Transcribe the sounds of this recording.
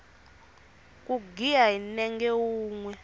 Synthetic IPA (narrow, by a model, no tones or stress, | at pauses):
kʼuɡijainɛŋɡɛwuːŋwɛ